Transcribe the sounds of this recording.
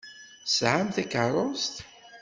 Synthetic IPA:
sʕamθækərˤost̪

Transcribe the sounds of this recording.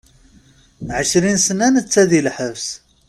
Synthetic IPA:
ʕəʃɾinsənænət͡sːæðilħəvs

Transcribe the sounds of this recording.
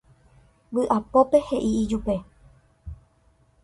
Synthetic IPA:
ʋɨʔapo̞pe̞he̞ʔiːd͡ʒupe̞

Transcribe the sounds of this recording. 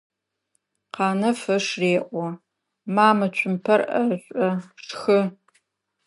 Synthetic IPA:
qɑːnɐfɐʂreːʔʷɔ | maːmɐt͡ʃʷʰʼʊmpʰɐrʔɐɕʷʼɐʂxɨ

